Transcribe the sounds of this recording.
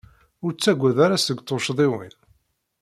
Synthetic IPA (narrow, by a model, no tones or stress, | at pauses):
ʊɾt͡sːæɡʷːæðaɾasəɡt̪ˤːoʃðˤɪwḭn